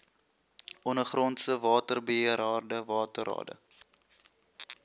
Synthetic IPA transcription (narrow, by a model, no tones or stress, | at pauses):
ʔɔnəχrɔntsəvɑːtərbəəəɾɑːrdəvɑːtəɾɑ̰ːdə̰